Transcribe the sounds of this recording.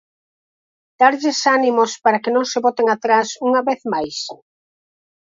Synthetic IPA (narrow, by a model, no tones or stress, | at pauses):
d̪̥aɾʎɪsanimospaɾakenõŋseβɔt̪eŋat̪ɾasuŋaβeθmajs